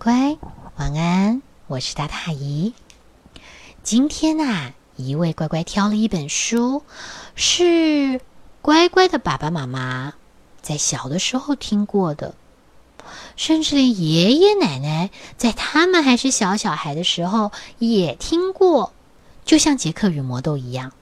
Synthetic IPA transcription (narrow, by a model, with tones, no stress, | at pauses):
kwa˥ɪwɑ˧˥ŋa˥n | wɔ˨˩ʂɻ̩˥˧t̪a˥˩t̪ʰa˥˩i˧˥ | t͡ɕi˥nt̪ʰjɛ˥na˨ | i˧˥we˥˩ɪkwa˥ɪkwa˥ɪt̪ʰjɑ˥ʊlə˨˧i˥˩pə˨˩nʂu˥ | ʂɻ̩˥˩ | kwa˥ɪkwa˥ɪd̪ə˨pa̰˨˩ba˧ma˧˥ma˧˥ | t͡sa˥˩ɪɕjɑ˨˩ʊd̪ə˦ʂɻ̩˧˥xo˥˧ʊt̪ʰi˥ŋkwɔ˥˩d̪ə̰˩ | ʂə˥˧nʈ͡ʂɻ̩˥˩˨jɛ˨˩jɛ˧˥na˨˩ɪna˧˥ɪt͡sa˥˧ɪt̪ʰa˥mə˨nxa˧˥ɪʂɻ̩˥˩ɕjɑ˧˥ʊɕjɑ˨˩ʊxa˧˥ɪd̪ə˧ʂɻ̩˧˥xo˥˧ʊjɛ˨˩t̪ʰi˥ŋkwɔ˥˩ | t͡ɕjo˥˧ʊɕjɑ˥˩ŋt͡ɕjɛ˧˥kʰɤ˥˩y˨˩mwɔ˧˥t̪o˥˧ʊi˧˥jɑ˥˩ŋ